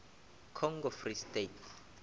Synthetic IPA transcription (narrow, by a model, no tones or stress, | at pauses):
kʰɔŋɡɔfristetʰ